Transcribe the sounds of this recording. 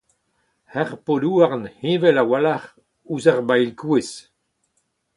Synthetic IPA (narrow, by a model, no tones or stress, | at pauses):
hɛʁpoduːaʁnhĩvɛlawalaʁ | uzaʁbajlkues